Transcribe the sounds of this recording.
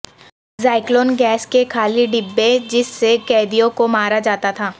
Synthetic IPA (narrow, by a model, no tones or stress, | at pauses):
zaːɪkloːnɡɛːskekʰaːliɖɪbːed͡ʒɪsːekɛːd̪ijõkomaːɾad͡ʒaːt̪at̪ʰaː